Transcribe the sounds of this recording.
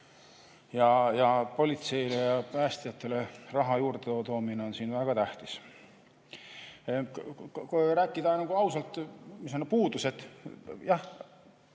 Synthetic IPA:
jɑjɑpo̞lʲit̪se̞jlejɑpæːst̪ijɑt̪ːˑe̞le̞rɑɦɑjuːrd̪̥eot̪o̞ːmineo̞nsiːnvæɡ̥ɑt̪æht̪is | kɾæːkːˑid̪̥ɑnɑɡ̥uɑwsɑlt̪misonːepuːd̪̥use̞t̪jɑh

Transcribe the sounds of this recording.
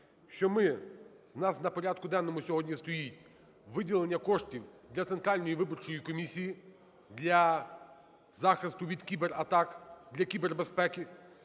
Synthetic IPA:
ʃt͡ʃɔmɪnɑsnɐpɔɾʲad̪kʊd̪ɛnːɔmʊsʲɔɦɔdʲnʲist̪ɔjitʲ | ʋɪdʲilˠe̞nʲːɐkɔʃtʲiwd̪lʲɐt̪sent̪ɾɑlʲnɔjiʋɪbɔrt͡ʃɔjikɔmʲisʲiji | d̪lʲɐ | zɑxɪst̪ʊʋʲid̪kʲibeɾɐt̪ɑkd̪lʲɐkʲiberbespɛkɪ

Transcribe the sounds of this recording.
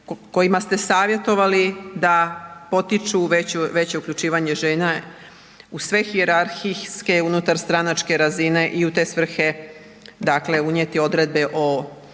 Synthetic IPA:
ko̞jimast̪e̞saːʋje̞t̪o̞ʋalid̪apo̞t̪it͡ʃuʋet͡ɕuʋe̞t͡ɕe̞ukʎʲut͡ʃiːʋaɲe̞ʒe̞ːna | usʋe̞xie̞ɾaɾxiske̞unut̪aɾst̪ɾanat͡ʃke̞ɾazine̞ʔiut̪e̞sʋr̩xe̞ | d̪akle̞uɲet̪io̞d̪ɾe̞d̪̚be̞ʔo̞

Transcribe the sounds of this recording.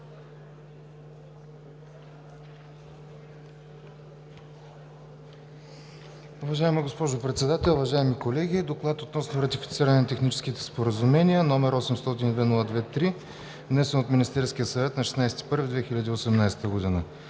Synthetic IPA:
ʊvɐʒaɛmiɡospɔʒʊpɾɛt̪sɛd̪at̪ɛlˠuvɐʒaɛmikolɛɡʲid̪oklˠat̪ot̪nɔsnoɾɐt̪ifit̪siɾənɛnɐt̪ɛxnit͡ʃɛ̥skit̪ɛ̥spoɾəzumɛniənɔmɛɾɔsɛmst̪ɔt̪ind̪vɛnulˠəd̪vɛt̪ːɾi | vnɛsɛnot̪minist̪ɛɾskʲijəsɐvɛt̪nɐʃɛ̥snajsɛ̥t̪i̥pɤɾvid̪vɛxilʲəd̪iːosɛmnajsɛ̥t̪əɡod̪inə

